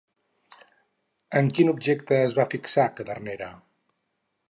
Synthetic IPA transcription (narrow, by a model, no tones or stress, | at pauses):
əŋkinub̚ʒek̚t̪əːzβafiksakəðərneɾə